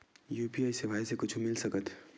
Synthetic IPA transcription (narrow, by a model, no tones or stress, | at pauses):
juːpiaːjsebʱaːjsekʊt͡ʃʰumɪlsəkət̪